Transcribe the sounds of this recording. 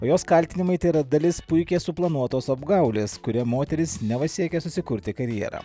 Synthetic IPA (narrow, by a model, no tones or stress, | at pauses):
oːjoːskɐlʲt̪ʲɪnʲɪmɐɪt̪ɐɪɾɐd̪ɐlʲɪspʊɪkʲeːsʊplˠɐnuɔt̪oːsɐbɡɐˑʊlʲeːskʊɾʲɛmoːt̪ʲɛɾʲɪsnʲɛʋɐsʲiɛkʲɛsʊsʲɪkʊɾʲt̪ʲɪkɐɾʲjɛ̰ːɾɐ̰ː